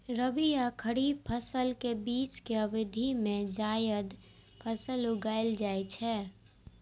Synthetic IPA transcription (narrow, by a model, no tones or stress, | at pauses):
ɾəbijakʰəɾiːpʰəsəlkebiːt͡ʃkeəbɪd̪ʱimẽd͡ʒaːjəd̪ | pʰəsəluɡaːɪld͡ʒaːjt͡ʃʰɛː